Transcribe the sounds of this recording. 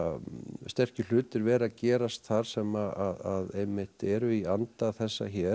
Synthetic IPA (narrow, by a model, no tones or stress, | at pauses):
st̪ɛr̥cʏl̥ʏːt̪ɪɾvɛːɾacɛːɾast̪θaɾ̥sɛmaaðaðejmːɪht̪ɛɾʏiant̪aθɛsːaçɛ